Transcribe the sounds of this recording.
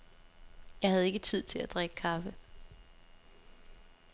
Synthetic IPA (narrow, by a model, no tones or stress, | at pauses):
jɑ̈ɪhæðˠe̝ɡ̥ət͡sʰið̞̰ˠt͡sʰe̝læd̥ʁɛɡ̥əkʰɑ̈fə